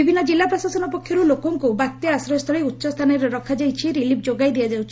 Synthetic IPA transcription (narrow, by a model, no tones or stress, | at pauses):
ibʱinːɔd͡ʒilːapɾɔsasɔnɔpɔkʰjɔɾulokɔŋkubak̚t̪jɔasɾɔjɔst̪ʰɔɭiutːʃɔst̪ʰanɔɾɔɾɔkʰad͡ʒajt͡ʃʰiɾilip̚ʰd͡ʒoɡajd̪ijad͡ʒawt͡ʃʰi